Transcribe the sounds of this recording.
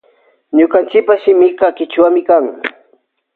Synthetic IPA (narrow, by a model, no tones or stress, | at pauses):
ɲʊkant͡ʃɪk̚paʃɪmɪqɑkɪt͡ʃwamɪkaŋ